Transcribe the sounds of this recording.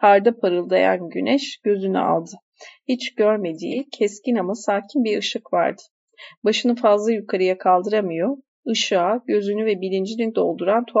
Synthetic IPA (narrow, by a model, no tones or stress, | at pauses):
haɾd̪apʰaɾɯlˠd̪aja̰nɟynɛʃɟ̥ø̞zyny̰a̰lˠd̪ɯ | hit͡ʃɟ̥øɾme̞d̪iːcʰɛscinamɯsaːcʰinbiɾɯʃɯkva̰ɾd̪ɯ̥ | baʃɯnɯfazlˠajukʰaɾɯjakʰalˠd̪ɯɾamɯjo | ɯʃɯaɟø̞zynyvɛbilʲind͡ʒinind̪o̞lˠd̪uɾant̪ʰo